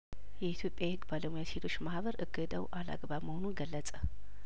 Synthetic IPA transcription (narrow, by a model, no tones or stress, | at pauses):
jɛit̪ʰjo̞pʼːjahɨɡːbaləmujase̞t̪ʰo̞t͡ʃːmahβəɾʔɨɡːɨd̪əwʔala̰ɡβaβməhonunɡəlːət͡sʼə